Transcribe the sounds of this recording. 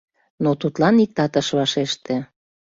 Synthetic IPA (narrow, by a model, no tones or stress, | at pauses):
not̪ut̪lɑnik̚t̪ɑt̪ə̆ʃβɑʃeʃt̪ĕ